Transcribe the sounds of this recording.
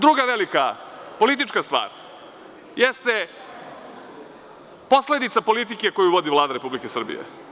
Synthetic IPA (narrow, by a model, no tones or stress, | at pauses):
d̪ɾuɡaʋelikapo̞lit̪̬it͡ʂkast̪ʋa̰ːɾ | jest̪e | po̞sle̞d̪it̪sapo̞lit̪̬ikeko̞juʋo̞d̪iʋlˠaːd̪aɾe̞publikesr̩bḭjḛ